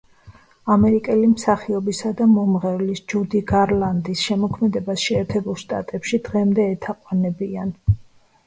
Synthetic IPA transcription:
amɛɾikʼɛlimsaχiɔbisad̪amɔmʁɛvlisd͡ʒud̪iɡaɾlˠand̪isʃɛmɔkʰmɛd̪ɛbasʃɛːɾt̪ʰɛbulˠʃt̪ʼa̰t̪ʼɛpʃid̪ʁɛmd̪ɛːt̪ʰaqʼwanɛbian

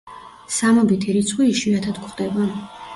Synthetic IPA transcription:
samɔbit̪ʰiɾit̪sʰχwiːʃwiat̪ʰad̪kχd̪ɛba

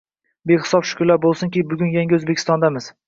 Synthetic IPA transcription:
beχɪ̥sɒpʃʊ̥kʰʊlːaɾbolˠsɪŋkʲibʊɡʲʊnjaŋɡʲɪɵzbekʲʰɪ̥st̪ɒnd̪amɪz̥

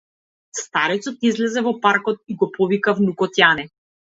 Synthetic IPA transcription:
st̪aɾɛt̪sɔt̪izlɛzɛvɔpaɾkɔt̪̚iɡɔpɔvikavnukɔt̪janɛ

